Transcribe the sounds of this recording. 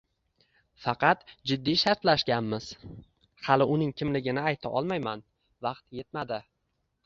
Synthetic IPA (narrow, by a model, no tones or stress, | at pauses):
fɑqʰɑt̪d͡ʒɪd̪ːijʃaɾt̪laʃɡʲanmɪz̥ | hɑlɪʔʊnɪŋkʲʰɪmlɪɡʲɪnɪajt̪ʰaʔɒ̰lˠmajman | vɑqt̪je̞t̪mad̪ɪ